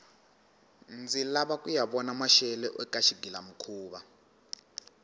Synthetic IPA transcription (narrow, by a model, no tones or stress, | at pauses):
nd͡zilaɓakʼujaɓɔnamaʃɛlɛʔɛkʼaʃiɡilam̩kʰuːβa